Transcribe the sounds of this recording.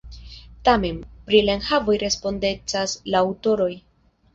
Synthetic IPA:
tame̞npɾilaenhavo̞jɾe̞spo̞nde̞t͡saslaːwto̞ɾo̞j

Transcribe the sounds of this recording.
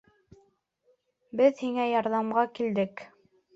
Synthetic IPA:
bɘðhiŋæjɑɾðɑmʁɑkild̪ɘk

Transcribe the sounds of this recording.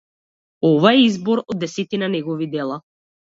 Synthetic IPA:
ɔvaɛizbɔɾɔd̪ːɛsɛt̪inanɛɡɔvid̪ɛlˠa

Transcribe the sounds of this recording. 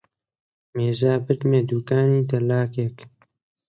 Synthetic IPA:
meːzaːbɨt̪meːd̪uːkaːniːd̪ɐlaːkeːk

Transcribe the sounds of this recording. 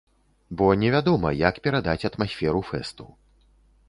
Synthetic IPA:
bɔnʲɛvʲad̪ɔmɐjakpʲɛɾad̪at͡sʲɐt̪masʲfʲɛɾufɛ̰st̪u

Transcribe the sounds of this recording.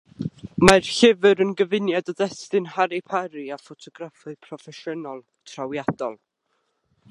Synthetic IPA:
marɬɪvɨɾənɡəvɪnjadɔðɛstɨnhaɾipʰaɾiafɔtʰɔɡɾafɨpʰrɔfɛʃənɔlˠ | tʰrawjad̥ɔlˠ

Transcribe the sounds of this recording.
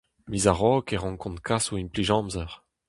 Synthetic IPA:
mizaʁɔːkɛʁɔ̃ŋkɔ̃nt̪̚kʰasuinpliʒɑ̃ːmzɛʁ

